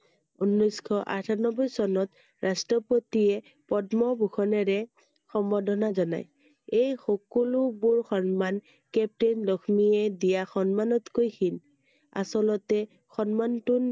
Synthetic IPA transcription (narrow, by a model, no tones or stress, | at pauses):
unːɔjskʰɔʔa̰tʰanɔbɔjsɔnɔt | ɹastɹɔpotiɛ | pɔdmɔbʱuxʰɔnɛɹɛ | xɔmbɔdɔnazɔna̰j | ejxɔkɔlʊbuɹxɔnman | kɛp̚tenlɔkʰmiɛdijaxɔnmanɔtkojkʰin | a̰sɔlɔtɛ | xɔnmantun